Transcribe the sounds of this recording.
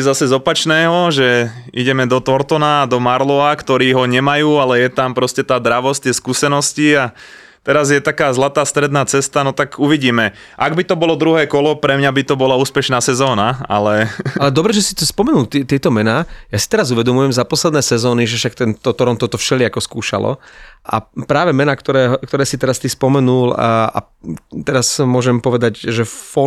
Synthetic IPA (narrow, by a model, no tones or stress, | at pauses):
zasɛzɔpat͡ʃnɛːɦɔʒɛiɟɛmɛd̪ɔt̪ɔɾt̪ɔnaːd̪ɔmaɾlɔakt̪ɔɾiːɦɔɲɛmajuːalɛjɛt̪ampɾɔscɛt̪aːd̪ɾaʋɔsct̪ɪɛskusɛnɔscia | t̪ɛɾazjɛt̪akaːzlat̪aːst̪ɾɛd̪naːt͡sɛst̪anɔt̪akuʋiɟiːmɛ | ʔaɡbit̪ɔbɔlɔd̪ɾuɦɛːkɔlɔpɾɛmɲabit̪ɔbɔlauːspɛʃnaːsɛzɔːnaa̰lɛalɛd̪ɔbɾɛʒɛsi̥t̪ɔspɔmɛnuːlt̪ɛt̪ɪɛt̪ɔmɛnaːjasi̥t̪ɛɾazuʋɛd̪ɔmujɛmzapɔslɛd̪nɛːsɛzɔːniʒɛfʃak̚t̪ɛnt̪ɔt̪ɔɾɔnt̪ɔt̪ɔfʃɛlɪakɔskuːʃa̰lɔ̰ʔa̰pɾaːʋɛmɛnaːkt̪ɔɾɛːɦɔkt̪ɔɾɛːsit̪ɛɾast̪ispɔmɛnuːla̰ | t̪ɛɾasmʊɔʒɛmpɔʋɛd̪aɟʒɛfɔ